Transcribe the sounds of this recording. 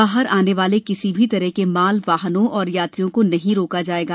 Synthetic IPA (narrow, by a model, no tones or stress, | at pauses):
baːɦəɾaːneʋaːlekɪsibʱit̪ɐɾəɦkemaːlʋaːɦnõʔɔːɾjaːt̪ɾijõkonɐɦĩɾoːkad͡ʒaːeːɡaː